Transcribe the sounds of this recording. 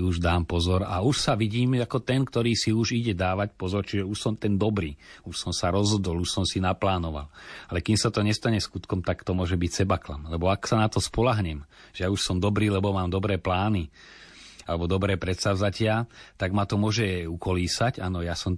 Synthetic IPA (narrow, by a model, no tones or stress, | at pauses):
uʒd̪aːmpɔzɔɾauʃsaʋiɟiːmakɔt̪ɛnkt̪ɔɾiːsiuʒiɟɛd̪aːʋacpɔzɔɾt͡ʃiʒɛuʃsɔmt̪ɛnd̪ɔbɾiːuʃsɔmsaɾɔzɦɔd̪ɔluʃsɔmsinaplaːnɔʋa̰lalɛkimsat̪ɔɲɛst̪aɲɛskut̪kɔmt̪akt̪ɔmʊɔʒɛbicsɛbaklamlɛbɔaksanat̪ɔspɔlaɦɲɛm | ʒɛjauʃsɔmd̪ɔbɾiːlɛbɔmaːmd̪ɔbɾɛːplaːni | alɛbɔd̪ɔbɾɛːpɾɛt̪sazacɪat̪aɡmat̪ɔmʊɔʒɛukɔliːsacanɔjasɔm